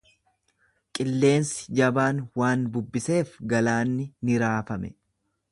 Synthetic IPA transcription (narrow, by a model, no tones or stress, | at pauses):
kʼɪlːe̞ːnsɪ̥d͡ʒɐbaːnwaːnbʊbːɪse̞ːfɡɐlaːnːɪnɪɾaːfɐmɛ̰